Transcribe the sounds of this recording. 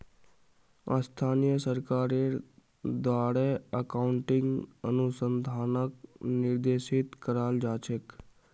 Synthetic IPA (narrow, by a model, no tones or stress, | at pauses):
a̰st̪ʰaːnijəsəɾkaːɾe | d̪waːɽeəkaːʊɳʈɪ̃ŋɡənʊsənd̪ʱaːnəknɪɾd̪eːʃɪt̪kəɾaːld͡ʒaːt͡ʃʰək